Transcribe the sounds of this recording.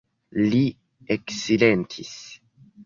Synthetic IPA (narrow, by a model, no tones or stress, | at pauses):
li | eksilentʰis